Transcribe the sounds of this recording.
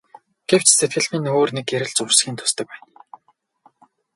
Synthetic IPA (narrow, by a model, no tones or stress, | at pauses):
ɡ̥ew̥t͡ɕset̪̚ɡɘ̆ɮmɘ̆noːrnekːeɾɘ̆ɮt͡sʊrsxʲiːnt̪ʰʊ̥st̪ə̆k̚pæːn